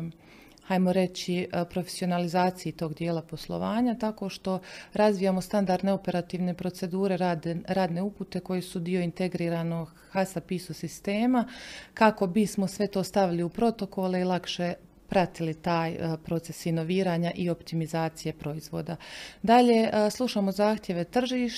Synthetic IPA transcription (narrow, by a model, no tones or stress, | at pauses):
hajmo̞ɾe̞t͡ɕipɾo̞fesio̞nalizaːt̪sijit̪o̞ːɡd̪jeːlˠapo̞slˠo̞̰ʋaːɲat̪ako̞ːʃt̪o̞ɾazʋijamo̞st̪and̪aɾd̪ne̞o̞pe̞ɾat̪iːʋne̞pɾo̞t̪se̞d̪uːɾe̞ɾaːd̪ne̞uput̪e̞ko̞jesud̪io̞int̪e̞ɡɾiːɾano̞ɡ | hasapisusist̪e̞ːmakako̞bismo̞sʋe̞t̪o̞ːst̪aʋiliupɾo̞t̪o̞ko̞leilˠakʃe̞ | pɾat̪ilit̪aːjpɾo̞t̪se̞sino̞ʋiːɾaːɲaʔio̞pt̪imizaːt̪sije̞pɾo̞izʋo̞ːd̪ad̪aʎe̞slˠuʃaːmo̞zaːxt̪ʲje̞ʋe̞t̪r̩ʒiːʃ